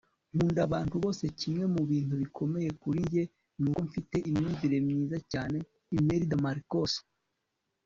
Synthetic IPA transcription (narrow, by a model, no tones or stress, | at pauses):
n̥uːndaβaːntuβo̞ːse̞cimŋe̞muβiːntuβikʰo̞me̞je̞kuɾije̞ | nuːkoɱfite̞ʔimɲiziɾe̞mɲiːzacaːne̞ | ime̞ɾidamaɾikoso̥